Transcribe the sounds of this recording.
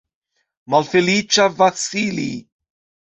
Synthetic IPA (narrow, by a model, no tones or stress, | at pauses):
malfelit͡ʃavasilḭ